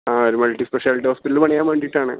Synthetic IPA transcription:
aːoɾumɐlʈːispeʂjaːliʈːihoːspiʈːɐlpɐɳɐjaːmʋeːɳɖiʈːaːɳɨ̰

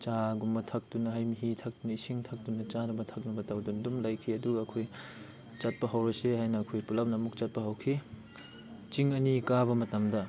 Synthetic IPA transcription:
t͡ʃaɡumbɐtʰɐk̚tunɐɦajmiɦitʰɐk̚tunɐisiŋtʰɐk̚tunɐt͡ʃadumɐtʰɐk̚nɐbɐtawdundumlajkʰiɐduɡɐɐkʰoj | t͡ʃɐt̚pɐɦɐwɾɐsehajnɐːkʰojpulɐp̚nɐɐmuk̚t͡ʃɐt̚pɐɦɐwkʰi | t͡ʃiŋɐnikabɐmɐtɐmdɐ

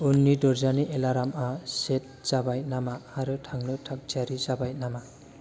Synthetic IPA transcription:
unːidɔɾzaniʔelaɾamaset̚z̥abajnamahaɾɯtʰaŋnɯtʰak̚d͡ʒaɾizabaj̚nama

